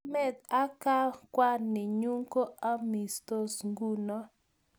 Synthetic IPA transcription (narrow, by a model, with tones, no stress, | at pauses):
mɛ˦˨d̪a˦ka˦kwa˦nɪ˨ɲu˦ŋko˦a˦mi˨st̪o˦sŋɡu˦nɔ˦